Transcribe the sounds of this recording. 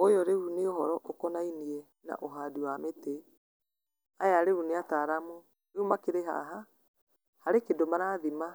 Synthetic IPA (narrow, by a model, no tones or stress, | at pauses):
ojɔɾeuneoɦɔɾɔʔokɔnainiɛ | na̰ʔoɦadiwamete | ajaɾeɾuneataɾamo | eumakeɾeɦa̰ɦa | haɾekedomaɾaðima